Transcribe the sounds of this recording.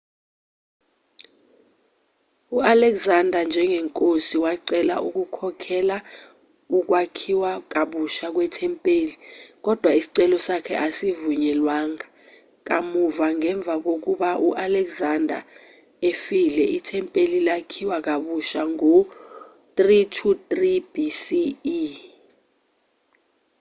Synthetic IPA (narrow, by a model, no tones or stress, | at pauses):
ualɛkzandʱand͡ʒʱɛŋʱɛŋkʼosiwaǀɛla̰ʔṵk̬ukʰɔkʰɛla | uk̬wakʰiwak̬aɓuʃak̬wɛtʰɛmpʼeːlik̬ɔd̥ʱwaisi̥ǀɛlɔsakʰɛ̰ʔasivuɲɛlwaːŋa | k̬a̰muvaŋɛɱb̪vʱak̬ok̬uɓaʔuʔalɛkzandʱa̰ | efilɛitʰɛmpʼelilakʰiwak̬aɓuʃaŋo | tʼritʰutʼrib̥isi